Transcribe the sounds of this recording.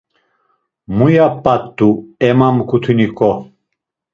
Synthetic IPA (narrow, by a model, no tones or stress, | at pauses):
mujapːat̪ːuemamkut̪ʰuniko